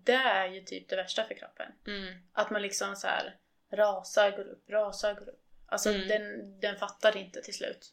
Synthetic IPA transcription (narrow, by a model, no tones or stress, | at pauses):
d̪ɛæɾjɵt̪ʰy̰ːp̚d̪ɛvæʂʈafœɾkʰɾɔ̰pːə̰nʔat̪manlɪksɔmsæ̰ːɾ | ɾɑːsaɾɡoːɾɵ̰pːɾɑːsaɾɡoːɾɵ̰pːa̰lsɔd̪ɛnd̪ɛnfat̪ːaɾɪnt̪ət̪ʰɪlslʉ̟̰ːt̪